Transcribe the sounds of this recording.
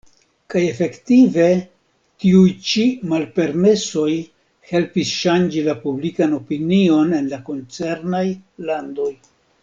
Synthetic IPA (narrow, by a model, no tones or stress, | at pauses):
kaje̞fe̞ktive̞ | tiujt͡ʃimalpe̞ɾme̞so̞j | he̞lpisʃand͡ʒilapublikano̞pinio̞ne̞nlako̞nt͡se̞ɾnajlando̞j